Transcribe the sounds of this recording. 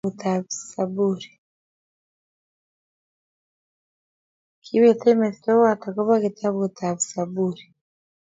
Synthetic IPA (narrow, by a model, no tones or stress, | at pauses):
utaβisabuɾi | kʰiβetemetitowatakoβaketʰaβut̪aβisabuɾi